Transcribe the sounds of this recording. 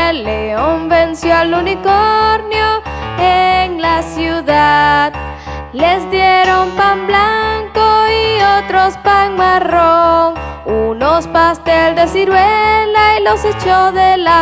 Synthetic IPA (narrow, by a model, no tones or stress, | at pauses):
lːeombensjoalunikoɾnjoeŋlasjuðað | le̞zd̪jeɾo̞mpamblaŋkoiot̪ɾo̞spaŋmaroŋuno̞spast̪elzd̪e̞siɾwelailo̞se̞t͡ʃoðela